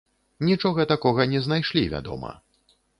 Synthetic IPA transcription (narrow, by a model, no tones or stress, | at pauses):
nʲit͡ʂɔɣɐt̪akɔɣɐnʲɛznajʂlʲivʲa̰d̪ɔ̰mɐ̰